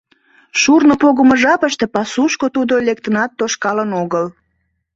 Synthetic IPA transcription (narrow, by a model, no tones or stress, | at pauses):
ʃurnopoɣəməʒɑpəʃt̪epɑsuʃkot̪ud̪olek̚t̪ənɑt̪ːoʃkɑlənoɣəl